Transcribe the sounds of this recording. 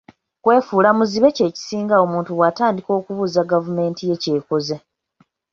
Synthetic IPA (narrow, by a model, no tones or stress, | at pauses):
kwe̞ːfuːlamuziβe̞ce̞ːci̥siːŋɡao̞muːntuwataːndiko̞ːkuβuːzaɡavume̞ːntije̞ce̞ːkoze